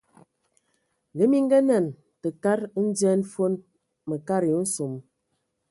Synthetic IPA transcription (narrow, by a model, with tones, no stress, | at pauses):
ŋɡə˦mi˦ŋ˦ɡə˦nɛ˦˨n | tə˨ka˦ɾn̩˦d͡ʒɛ˦n˦fo˦n | mə˨ka˦ɾo˨˦n̩˦so˨m